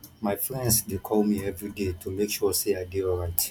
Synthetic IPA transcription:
maɪfɹɛ̃ndsdekʰɔlmiɛvɹidetʰumekʃɔseaɪdeɔɹaɪt

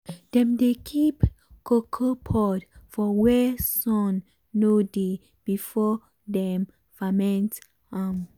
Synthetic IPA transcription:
d̥ɛ̃mdekʰip | kʰokʰopʰɔdfɔwɛsɔ̃nː | ode | b̥ifɔ | dɛ̃m | famɛ̃nt | am

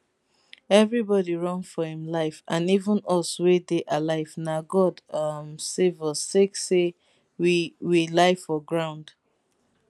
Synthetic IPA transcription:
ɛvɹibɔdiɹɔ̃ŋfɔhĩmlaɪfãnivə̃nɔswedeʔalaɪvnaɡɔdʌmsevɔstekse | wiwilaɪfɔɡɹãʊ̃nd̥

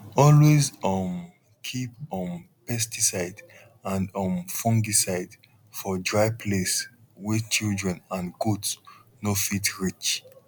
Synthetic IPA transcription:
ɔlwezɔm | kʰipɔ̃n | pɛstisaɪd | ãndɔ̃nfɔ̃ŋɡisaɪd | fɔdɹaɪpʰleswɪθt͡ʃildɹɛ̃nãnɡudsnofitɹit͡ʃ

